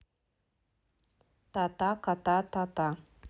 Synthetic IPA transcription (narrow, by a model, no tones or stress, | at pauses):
t̪at̪akat̪at̪at̪a